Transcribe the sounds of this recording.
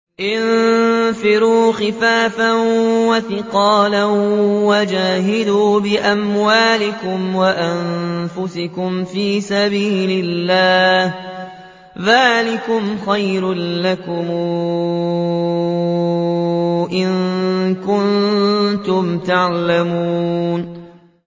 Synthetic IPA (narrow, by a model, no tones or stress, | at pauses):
ʔɪnfɪɾuːxɪfaːfanwaθɪqɑːlanwad͡ʒaːɦɪd̪uːbɪʔamwaːlɪkʊmwaʔanfʊsɪkʊmfiːsabiːlɪlːaːh | ðaːlɪkʊmxajɾʊnlakʊm | ʔɪŋkʊnt̪ʊmt̪aʕlamuːn